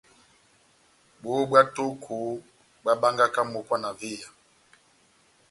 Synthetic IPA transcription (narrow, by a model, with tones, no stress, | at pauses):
ɓo˦ɓwa˦tu˦kʰu˨ | ɓwa˦ɓa˦ŋɡa˦ka˦mu˨kwa˦na˨vi˦˨ja˨